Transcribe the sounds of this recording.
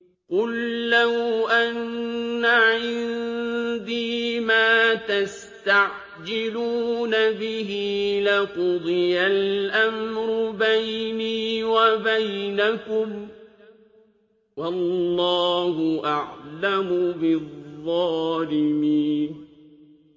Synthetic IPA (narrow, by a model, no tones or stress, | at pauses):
qʊlːawʔanːaʕɪnnd̪iːmaːt̪as | t̪aʕ | d͡ʒɪluːnabɪhilɪqʊd̪ˤɨjalʔamɾʊbajniːwabajnakʊm | wɑlːɑːhʊʔaʕlamʊbɪðˤːɑːlɪmiːn